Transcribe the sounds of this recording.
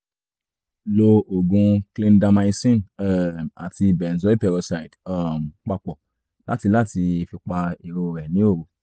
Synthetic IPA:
lo˧o˨ɡũ˧klĩ˧n˦da˧mã˧i˧sĩ˦nɛ˨a˨ti˧bɛ˨n̩˨zɔ˦i˦pɛ˧ɾɔ˧sa˨i˨da˦m̩˨k͡pa˧k͡pɔ˨ | la˦ti˧la˦˨ti˧e˧fi˧k͡pa˧e˨ɾo˧˨ɾɛ˨nĩ˨˦o˦˨ɾo˨

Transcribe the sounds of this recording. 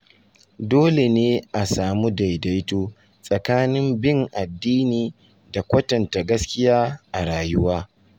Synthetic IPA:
doː˦le˨neː˦ʔa˨saː˨mu˦da˨jda˦jtoː˦ | sʼɐ˨kaː˦nɪ˦mbɪ˦ŋʔa˨dːiː˦niː˨ | da˨kʷɐ˦tɐ˨nta˨ɡɐ˦skʲɪ˦jaː˦ʔa˨ɽaː˨jʊ˦waː˦

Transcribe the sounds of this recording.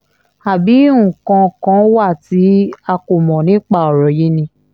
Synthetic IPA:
a˨bi˨˦ũ˨kã˧kã˦wa˦˨ti˨˦a˧ko˨mɔ̃˨nĩ˨˦k͡pa˦˨ɔ˨ɾɔ˨ji˨˦nĩ˧˦

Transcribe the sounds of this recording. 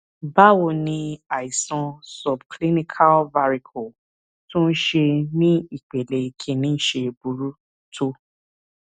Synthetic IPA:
ba˦wo˧˨nĩ˧a˨i˨sã˧sɔ˨bkli˦nĩ˦kʰa˦lva˧ɾi˧kʰɔ˨ | tũ˦n̩˦ʃe˧nĩ˦i˦˨k͡pe˨le˨i˨kʰẽ˨˦nĩ˦n̩˦ʃe˧bu˨˦ɾu˦ | tʰo˦

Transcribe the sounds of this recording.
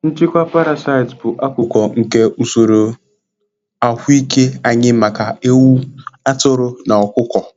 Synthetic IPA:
n̩˦t͡ʃɪ˦kʷa˦pa˦ɾa˨sa˦ɪ˨zbʊ˨ʔa˦kʷʊ˦kɔ˨ŋ̩˨ke˦u˨so˨ɾo˨ | a˨hʷi˦ke˦a˦ɲɪ˦ma˨ka˨e˦wu˦a˦tʊ˦ɾʊ˦na˨ɔ˨kʷʊ˦kɔ˨

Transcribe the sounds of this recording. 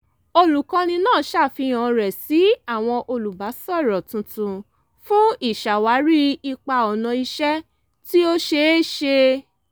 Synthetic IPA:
o˧lu˨kã˧nĩ˧nãː˦˨˦ʃa˦˨fi˧j̃ã˨˧ɾɛ˨si˨˦a˦˨w̃ɔ̃˧ʔo˧lu˨ba˨˦sɔ˦˨ɾɔ˨tũ˧tũ˧ | fũ˦i˦˨ʃa˨wa˨˦ɾi˦i˧k͡pa˧ɔ˨nã˧i˧ʃɛ˦ | ti˦o˦ʃe˧˦ʃe˧

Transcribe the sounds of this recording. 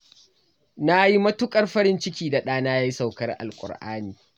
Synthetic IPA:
na˦ji˦mɐ˦tʊ˦kʼɐ˦rɸɐ˦ɾɪ˦nt͡ʃɪ˦kʲiː˦da˨ɗaː˦naː˦jaː˦ji˦sa˨wkɐ˦rʔa̰˨lkʷʼʊ̰˨rʔa̰ː˦niː˨

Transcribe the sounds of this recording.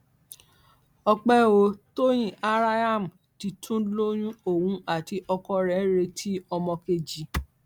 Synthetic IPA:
ɔ˧k͡pɛ˦o˧˦to˦j̃ĩ˦˨ʔa˦ɾa˦a˦˨m̩˨ | ti˧tʰũ˦lo˦j̃ũ˦o˦˨wũ˧˦a˦˨ti˧ʔɔ˧kɔ˧ɾɛ̃˨˦ɾe˧tʰi˦ɔ˧mɔ̃˧ke˧˨d͡ʒi˨˦

